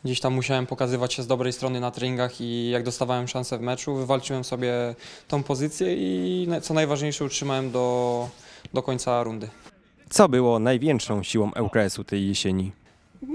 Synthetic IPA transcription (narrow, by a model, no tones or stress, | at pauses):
ɡd͡ʑeɕt̪amːuɕawɛmpɔkazɘvat͡ɕɕɛzd̪ɔbɾɛjst̪ɾɔnɘnat̪ɾɛɲiŋɡaxijaɡ̚d̪ɔst̪avawɛmʂansɛvmɛt͡ʂuvɘvalt͡ʂɨwɛmsɔbʲjɛt̪ɔ̃w̃pɔzɘt̪sʲjɛint̪sɔnajvaʐɲejʂɛutʂɘmawɛmd̪ɔ | d̪ɔkɔɲʲt̪saɾund̪ɘ | t̪sɔbɘwɔnajvʲjɛŋkʂɔ̃w̃ɕiwɔ̃w̃ʔɛwkaɛsut̪ɛjːeɕeɲi